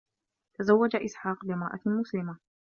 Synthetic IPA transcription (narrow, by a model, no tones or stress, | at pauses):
t̪azawːad͡ʒaʔɪsħaːqbɪmɾˤɑ̰ʔa̰mʊslɪma